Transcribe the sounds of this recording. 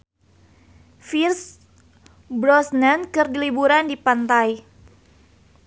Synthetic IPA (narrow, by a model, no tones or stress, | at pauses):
firs | bɾɔsnankɨrdilibuɾandipant̪aj